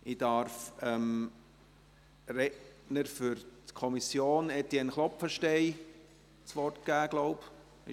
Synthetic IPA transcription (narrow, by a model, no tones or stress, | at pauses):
ʔɪd̥ɑɾfɛm | rɛʔ | nəɾfʏɾtkʰɔmisjoːnɛtiɛnχlɔpfəʃtɛɪ | t͡sʋɔrt̚ɡ̥æːɡ̥lɔʊp | ɪ